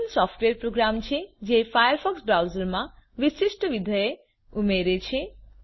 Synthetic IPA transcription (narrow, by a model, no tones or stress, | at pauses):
lsɔpʰʈweɾpɾoɡɾamt͡ɕʰed͡ʒepʰajəɾpʰɔksbɾawzelmaʋisisʈɔbid̪ʱɔje | umeɾet͡ɕʰe